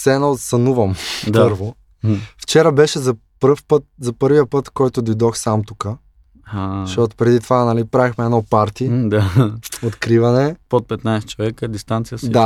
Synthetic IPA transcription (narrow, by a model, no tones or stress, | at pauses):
sɛːnoot̪sɐnuvɐmd̪ɤɾvo | ft͡ʃɛɾəbɛʃɛzɐ | pəɾfpɤt̪̚zɐpɤɾviəpɤt̪kɔjt̪od̪ojd̪ɔxsamt̪ukə | haʃɔt̪o̥pɾɛd̪it̪ovanɐlipɾavɛxmɛɛnɔpaɾt̪id̪aot̪kɾivɐnɛpot̪̚pɛt̪najsɛ̥t͡ʃovɛkəd̪ist̪ant̪sijəsd̪a